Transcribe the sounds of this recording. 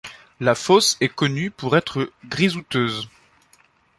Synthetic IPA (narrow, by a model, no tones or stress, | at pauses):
lafɔsɛkɔnypuʁɛt̪χəɡʁizut̪øːz